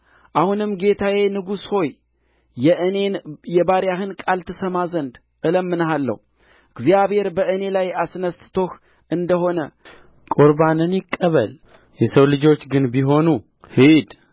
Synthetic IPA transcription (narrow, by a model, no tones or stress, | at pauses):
ʔahunɨmɡe̞t̪ʰawe̞nɨɡusho̞j | ɛʔɨnejɛbaɾjahɨnkʼalt̪ʰɨsəmazənd̪ | ʔɨləmːɨnhalːə̰hu | ɨɡzijaβhe̞ɾbəʔɨne̞lajasnəst̪ɨt̪ʰo̞h | ʔɨnd̪əho̞nə | kʼoɾbanɨnjɪkʼːəβəl | jɛsəwlɨd͡ʒo̞t͡ʃːɡɨnbiɦo̞nu | hid̪